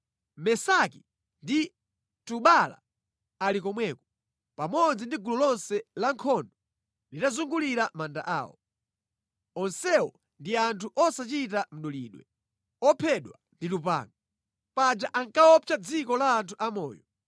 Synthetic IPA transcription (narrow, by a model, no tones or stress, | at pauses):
mɛsaki | ndi | tuɓala̰ | alikɔmwɛkɔ̥ | pamɔd͡zindiɡulɔlɔnsɛlaŋkʰɔndɔ | litazuŋɡuliɾamandaʔa̰ːwɔ̰ | ɔnsɛwɔ | ndiantʰuʔɔsat͡ʃitam̩ɗɔlḭːɗwɛ | ɔpʰɛɗwanditupa̰ːŋɡa | pad͡ʒaʔaŋkaɔt͡ʃad͡zikɔlaːntʰuʔamɔ̰ːjɔ